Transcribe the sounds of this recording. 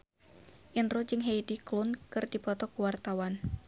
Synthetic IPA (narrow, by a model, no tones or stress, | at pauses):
ʔinrɔd͡ʒɨŋɦejdiklunkɨrdipɔt̪ɔkuwart̪awan